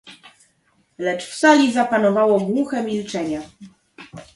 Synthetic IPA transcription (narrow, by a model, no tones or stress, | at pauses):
lɛt͡ʂfsalʲizapanɔvawɔɡwuxɛmʲilt͡ʂɛɲa